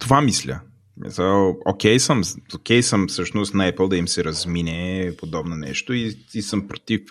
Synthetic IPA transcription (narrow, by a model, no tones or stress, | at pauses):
t̪ovamislʲə̰ | mḭsaokʲɛjsəmokʲɛjsəmfsɤʃnost̪nɐɛplˠd̪ɐimsɛɾɐzminʲɛpod̪ɔbnonɛ̰ʃt̪oiisəmpɾot̪if